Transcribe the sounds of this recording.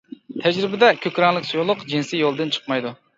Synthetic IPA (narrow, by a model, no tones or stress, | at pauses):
t̪ʰɛd͡ʒɾɪbɪd̪ɛkʲʰøkʲɾɑŋlˠɨkʲsujulˠʊqd͡ʒinsijolˠd̪ɨnt͡ʃʰə̥qmɑjd̪u